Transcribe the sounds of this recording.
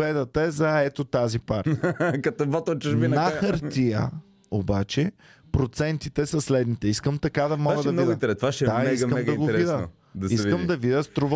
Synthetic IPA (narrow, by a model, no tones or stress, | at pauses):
ɛd̪ɐt̪ɐɛzɐɛt̪ot̪azipaɾt̪kɐt̪ɔvɔt̪ot͡ʃuʒbinaxɐɾt̪ijə̰ | obat͡ʃɛ | pɾot̪sɛnt̪it̪ɛsɐslɛd̪nit̪ɛiskəmt̪ɐkad̪ɐmɔaɡəd̪ɐmnɡdint̪ɛɾɛst̪vaʃɛd̪anɛikkəmɛɡ̪ɐiɡoɛɾɛvid̪ə | d̪ɐsikəmd̪ɐvid̪əst̪ɾuv